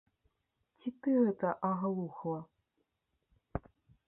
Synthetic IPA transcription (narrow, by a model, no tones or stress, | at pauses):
t͡sʲit̪ɨɣɛt̪ɐʔɐɣɐlˠuxlˠɐ